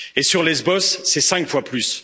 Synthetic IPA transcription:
esyʁlezbɔsːɛsɛ̃ŋkfwaplys

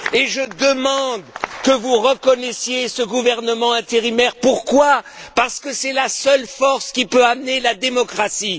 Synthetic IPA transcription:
eʒəd̪əmɑ̃d̪kəvuʁəkɔnɛsjesəɡuvɛʁnəmɑ̃ɛ̃t̪eʁimɛʁpuʁkwa | paʁsə̥kəsɛlasœlfɔʁskʲipøamnelad̪emɔkχasi

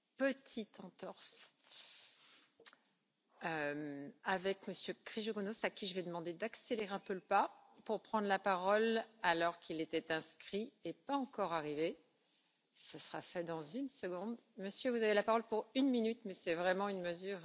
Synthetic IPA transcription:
pət̪ʰit̪ɑ̃t̪ɔʁs | ømavɛkməsjøkχiʒoɡonosakʲiʒəvɛd̪əmɑ̃d̪ed̪akseleʁeɛ̃pøləpapuʁpχɑ̃d̪ʁlapaʁɔlalɔʁkʲʰilet̪ɛt̪ɛ̃skχiepaɑ̃kɔʁaʁive | səsəʁafɛd̪ɑ̃zynsəɡɔ̃d̪məsjøvuzavelapaʁɔlpuʁynminyt̪mɛsɛvʁɛmɑ̃ynməzyːʁ

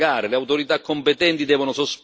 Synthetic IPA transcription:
aːɾeleawt̪oɾit̪akːompet̪ɛnt̪id̪ɛːvonʊsosp

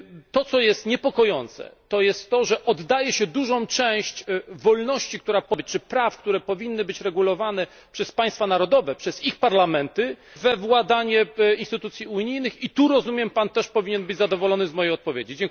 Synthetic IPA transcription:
t̪ɔt̪sɔjɛst̪ɲɛpɔkɔjɔnt̪sɛ̰t̪ɔjɛst̪ːɔʐɛʔɔd̪ːajɛɕɛd̪uʐɔ̃w̃t͡ʂɛ̃w̃ɕt͡ɕvɔlnɔɕt͡ɕik̚t̪uɾapɔbɘt͡ɕt͡ʂɘpɾafkt̪uɾɛpɔvʲinːɘbɘt͡ɕɾɛɡulɔvanɛ | pʂɛspaj̃st̪fanaɾɔd̪ɔvɛpʂɛzixpaɾlamɛnt̪ɘ | vɛvwad̪aɲɛinst̪ɘt̪ut̪sʲjiuɲijnɘxit̪uɾɔzumʲjɛmpant̪ɛʂpɔvʲiɲɛnbɘd͡ʑzad̪ɔvɔlɔnɘzmɔjɛjɔt̪̚pɔvʲjed͡ʑid͡ʑɛŋk

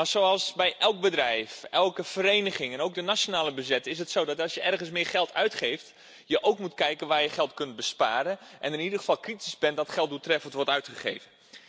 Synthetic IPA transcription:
masoɑlˠsbɛjʔɛlˠk̚bədrɛjfɛlˠkəfəɾejnəχɪŋɛnowk̚dənasjonaːləbəzɛtɪs̬ətsowdɔtɑlˠsjəʔɛrɣənsmɪːɹχɛlˠtʰœɥtχejft | jəʔowkmutkɛjkənʋaːɹjəχɛlˠtkɵnt̚bəspaːɾəʔɛnɪnidəəfɑlˠkritizbɛndɔtχɛlˠt̚dutrɛfəntʋɔrtœɥtχəχeːvən

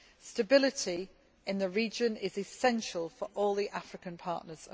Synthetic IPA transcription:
stəbɪlɪtʰi | ʔɪ̃nðəɹiːd͡ʒə̃nɪzɪsɛ̃nʃəlˠfəʔɔːlˠðiʔafɹɪkə̃npʰɑˑʔnəz̥ə̰

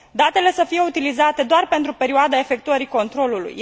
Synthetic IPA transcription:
d̪at̪e̞le̞səfije̞ut̪ilizat̪e̞d̪oarpe̞nt̪ɾupe̞ɾioad̪ae̞fe̞k̚t̪uəɾiko̞nt̪ɾo̞lulṵj

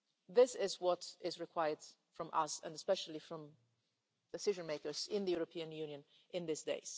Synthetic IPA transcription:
ðɪsɪzwʌɾɪzɹɨkʰw̥aɪə˞d | fɹʌ̃mʔʌ̰sə̰̃nəspɛʃl̩ˠifɹʌ̃m | d̥ɨsɪʒɨ̃nmeɪkə˞z̥ɪ̃nðɨjuɹəpʰiɨ̃njʉnjɨ̃n | ʔɪ̃nðɪsdḛɪz̥

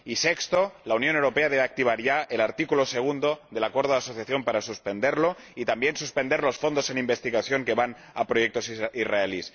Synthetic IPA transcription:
isekst̪olaunjonewɾo̞pe̞aðeβak̚t̪iβ̞aɾʝaelaɾt̪ikuloseɣ̞und̪oðe̞lakweɾðoðasoθjaθjo̞mpaɾasuspend̪eɾlo̞ | it̪ambje̞nsuspend̪eɾlo̞sfo̞nd̪ose̞nimbest̪iɣaθjo̞ŋkeβan | a̰pɾojek̚t̪o̞siraelis

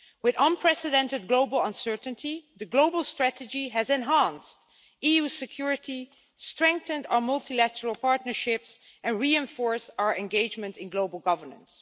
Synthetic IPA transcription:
wɪðʌ̃npʰɹ̥ɛsɨdɛ̃ntɨd̚ɡloʊbəl̩ˠə̃nsɜ˞ʔn̩tʰiðɨɡloʊbəl̩ˠstɹ̥ætɨd͡ʒiɨzɛ̃nɦæ̃nst | ijusɨkʰj̥ʊɹɨti | stɹ̥ɛ̃ŋk̚θə̃ndaʊə˞mʌlˠtʰilætəɹəlˠpʰɑɹtⁿnə˞ʃɪps | ɛ̃nɹiɛ̃ɱfɔɹsaʊə˞ʔɛ̃nɡeɪd͡ʒmɨ̃ntɪ̃nɡloʊbəl̩ˠɡʌvə˞nə̰̃ns

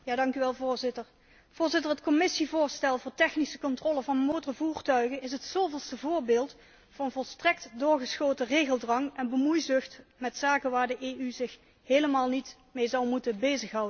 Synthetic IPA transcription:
jaːdɑŋkyʋɛlˠvʊːɹzɪtəɹ | v̥ʊːɹzɪtərɦətkɔmɪsivʊːɹstɛlˠvʊːɹtɛxnisəkɔntrɔləvɑnmowtəvuːrtœɥɣənɪsɦətsowvɪlˠstəvʊːɹbeːlˠt | fʊːɹənvɔlˠstrɛktdʊːɹɣəsxoːwtəreːɣəlˠdrɑŋɛnbəmujzɵxtmɛtsaːkəʋaːɹdəʔeːyzɪx | heːləmaːlˠnit | mejzɑwmutənbejzəxɦʌwdən

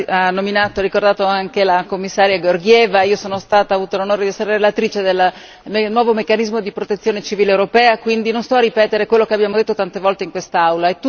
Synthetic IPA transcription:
anːominaːt̪oɾikord̪aːt̪oaŋkelakomːisːaːɾjaɡorɡjɛːvaiːosoːnost̪aːt̪aːvuːt̪olonoːɾed̪iɛsːeɾeɾelat̪ɾiːt͡ʃed̪elːa | enwɔːvomekːanizmod̪ipɾot̪et̪sːjoːnet͡ʃiviːlewɾopɛːakwind̪inonst̪ɔarːipɛːt̪eɾekwelːokeabjaːmod̪et̪ːot̪ant̪evɔlt̪eiŋkwest̪aawlaɛt̪ːu

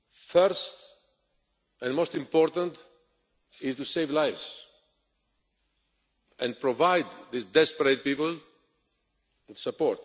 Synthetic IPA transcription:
fɜɹst | ɛ̃nmoʊstĩmpɔɾt̪ə̃nt̪ | ɪztuseɪvlajvz̥ | ʔɛ̃npʰɹɔvaɪd̪ðɪsd̪ɛspəɾeɪt̚pipəl̩ | ntu̥səpɔɹt̪

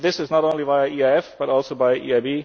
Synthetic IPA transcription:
ðɪsɨznɔɾõʊ̃nlibaɪiaɛfb̥ʌɾɔlˠsoʊbaɪʔḭːaɪbiː

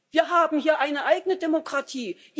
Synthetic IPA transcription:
viːɐɦaːbm̩hiːɐʔaɪnəʔaɪɡənədemokʁ̥atʰiːʔ

